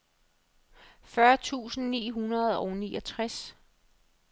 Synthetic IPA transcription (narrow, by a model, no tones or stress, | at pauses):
fɶɐt͡sʰṵːsn̩nḭːɦunɐð̞̩ˠɒʊniːʔɒ̽t͡sʰʁas